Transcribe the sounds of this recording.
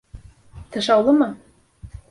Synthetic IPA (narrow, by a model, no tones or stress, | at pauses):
t̪ɤ̆ʃɑwlˠɤmɤ